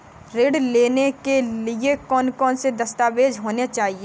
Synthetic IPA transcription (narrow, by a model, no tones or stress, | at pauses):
ɾeːɽleːnekeliekɔːnkɔːnsed̪ɐst̪aːʋeːd͡ʒɦoːnet͡ʃaːɦieː